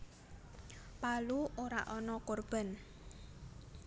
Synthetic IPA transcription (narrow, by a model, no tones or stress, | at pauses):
paluʔoɾa̰ʔɔnɔkorb̥a̤n